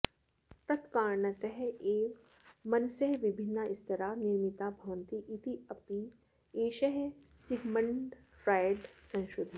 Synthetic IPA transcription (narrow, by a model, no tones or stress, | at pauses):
t̪ɐt̪kaːɾnɐt̪əɦeː | mɐnsɐɦʋɪbʱɪnːaɪst̪ɐɾaniɾmɪt̪abʱɐʋənt̪iʔːt̪iɐpi | eːʃɐɦsɪɡməɳɖ | fɾaːjɖsɐ̃ŋʃɾʊd̪ʱi